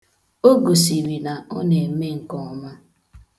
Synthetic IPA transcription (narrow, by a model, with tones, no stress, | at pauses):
o˦ɡo˨si˨ɾi˨na˨ɔ˦ne˨˦me˦ŋ̩˨kɔ˦ma˦